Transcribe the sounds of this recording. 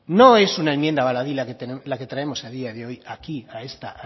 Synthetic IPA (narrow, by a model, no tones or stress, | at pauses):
no̞e̞sunae̞mjend̪aβalaðilaket̪elake̞t̪ɾae̞mo̞saðiaðeo̞jakiae̞st̪a